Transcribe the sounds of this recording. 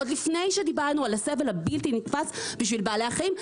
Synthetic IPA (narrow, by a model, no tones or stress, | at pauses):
od̪lifnejʃed̪ibaʁnualasevelhabilt̪init̪fasbiʃvilbaːleaχaim